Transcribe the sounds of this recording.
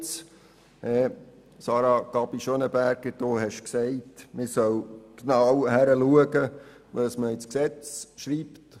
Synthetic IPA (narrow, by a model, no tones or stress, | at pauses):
t͡s | ɛ | sɑːɾɑkɑbiʃonəbæɾɡ̥əd̥oːhɛʃksɛɪtmɪɾsœwknɑwhæɾəluəɡə | əsməɪt͡sksɛt͡sʃɾiːpt